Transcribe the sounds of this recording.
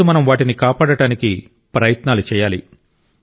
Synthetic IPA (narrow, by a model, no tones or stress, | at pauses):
umɐnɐmʋaːʈinikaːpaːɽɐɽaːniki | pɾɐjɐt̪naːlut͡ʃɛːjaːli